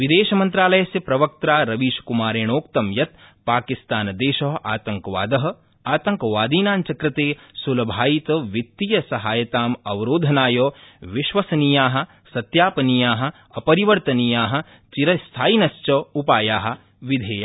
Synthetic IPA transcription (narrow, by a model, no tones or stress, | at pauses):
ʋid̪eːʃɐmɐ̃nt̪ɾaːlɐjɐsjɐpɾɐʋɐk̚t̪ɾaːɾɐʋiːʃkumaːɾeːɳ̃oːkt̪ɐmjɐt̪paːkist̪aːnɐd̪eːʃɐɦʔaːt̪ɐŋkɐʋa̰ːd̪ɐɦɐ̆ | aːt̪ɐ̃ŋkɐʋaːd̪iːnaːnt͡ʃɐkɾɪt̪eːsulɐbʱaːjit̪ɐʋit̪ːijɐsɐɦaːjɐt̪aːmɐʋɐɾoːd̪ʱɐnaːjoːʋɪʃʋɐsɐnijaːɦɐ̆ | sɐt̪jaːpɐnijaːɦɐ̆ | ɐpɐɾiʋɐɾt̪ɐnijaːɦɐ̆ | t͡ʃiɾɐst̪ʰaːinɐst͡ʃɐupaːjaːɦɐ̆ | ʋid̪ʱeːjaː